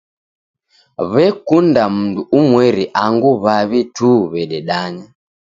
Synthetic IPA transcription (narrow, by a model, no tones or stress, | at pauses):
βɛkundam̩nduʔumwɛɾiʔaŋɡuβaβituːβɛɗɛɗaɲa